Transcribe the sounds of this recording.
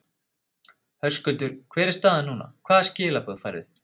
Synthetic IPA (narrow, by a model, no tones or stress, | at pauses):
hœskœlt̪ʏɾ̥kʰv̥ɛːɾɪst̪aðanuːna̰kʰvaːðscɪːlapɔðfa̰jɾɪ̰ð